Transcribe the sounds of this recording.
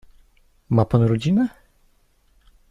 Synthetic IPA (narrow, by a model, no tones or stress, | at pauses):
mapanɾɔd͡ʑinɛ